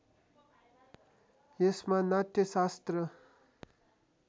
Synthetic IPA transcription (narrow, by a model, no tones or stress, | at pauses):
jesmanat̪ːjʌsast̪rʌ